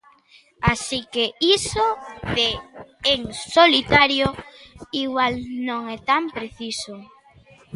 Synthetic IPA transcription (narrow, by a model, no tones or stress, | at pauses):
asikeisoðeeŋsolit̪aɾjoiɣwalnõŋɛt̪ampɾeθiso